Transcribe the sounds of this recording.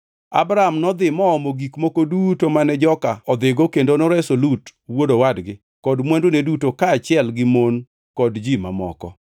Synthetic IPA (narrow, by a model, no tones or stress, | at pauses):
a̰bɾaamnɔd̪ɪmɔːmoɡikmokodutomanɛd͡ʒɔkaɔd̪ɪɡokendonoɾɛsolutwodowadɡɪ | kɔdmwɛndonedutokaːt͡ʃɪɛlɡɪmon | kɔdd͡ʒima̰mɔ̰kɔ̰